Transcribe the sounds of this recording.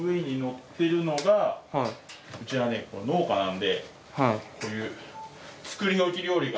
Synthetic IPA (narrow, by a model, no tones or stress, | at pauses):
ɯe̞ɲ̟ino̞t̪ːe̞ɾɯ̟no̞ɡahɯ̟t͡ɕiβane̞ko̰no̞ːkanãnd̪e̞ | hako̞ːjɯ̟ː | t͡sɨ̥kɯ̟ɾʲinoɯkʲiɾʲijo̞ːɾʲiɡa